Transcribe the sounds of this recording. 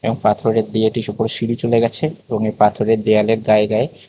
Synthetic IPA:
eboŋpat̪ʰoɾeɾd̪ieʈiʃupoɾʃiɽit͡ɕoleɡɛt͡ɕʰeeboŋepat̪ʰoɾeɾd̪ealeɾɡaeɡae

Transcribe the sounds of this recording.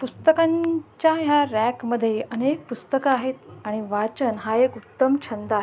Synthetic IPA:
pust̪əkãɲt͡ɕjaɦjaɾækməd̪ʱːjeʔənek̚pust̪əkaaɦet̪aɽ̃iʋat͡ɕənɦaekutt̪ːəmt͡ɕʰənd̪aɦ

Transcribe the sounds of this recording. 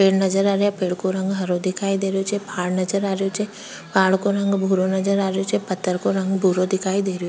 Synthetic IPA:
peːɽnɐd͡ʒəɾaːɾjapeːɽkoɾɐ̃ŋɡɦɐɾod̪ɪkʰaːid̪eːɾjot͡ʃepʰaːɽnɐd͡ʒəɾaːɾejot͡ʃe | paːɽkoɾɐ̃ŋɡbʱuɾonɐd͡ʒəɾaːɾjot͡ʃepɐt̪ːəɾkoɾɐ̃ŋɡbʱuɾod̪ɪkʰaːid̪eːɾejo

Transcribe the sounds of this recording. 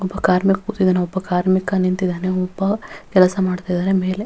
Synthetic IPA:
ɔbːɐkaːɾmikɐkut̪ːid̪ɐːneɔbːɐkaːɾmikɐnint̪id̪aːneɔbːɐkɛlɐsɐmaːɖt̪aːjd̪aːɾemeːle

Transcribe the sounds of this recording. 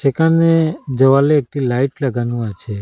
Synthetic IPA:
t͡ʃekaned͡ʒəʋaleːk̚ʈilaiʈləɡanũat͡ʃʰe

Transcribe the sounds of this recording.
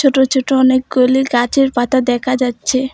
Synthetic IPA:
oʈot͡ɕʰoʈoɔnek̚ɡoliɡat͡ɕʰeɾpat̪ad̪ɛkʰad͡ʑatːɕʰe

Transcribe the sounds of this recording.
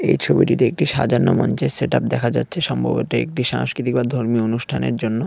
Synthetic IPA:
ejt͡ɕʰobiʈit̪eek̚ʈiʃa̰d͡ʑanːomɔnt͡ɕeseʈap̚d̪ɛkʰad͡ʑa̰tːɕʰeʃɔmbʱo̰boʈeḛk̚ʈiʃaŋskɾit̪ik̚bad̪ʱoɾmionuʃʈʰanḛɾd͡ʑonːo

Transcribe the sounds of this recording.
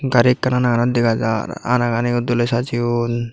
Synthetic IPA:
ɡaɾikːananaɡanɔd̪iɡad͡ʒa̰ɾa̰naɡaniud̪ulɔjsat͡ʃiun

